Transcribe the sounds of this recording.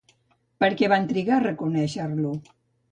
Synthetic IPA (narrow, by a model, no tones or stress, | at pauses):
pəɾkɛβant̪ɾiɣarəkunɛʃəɾlu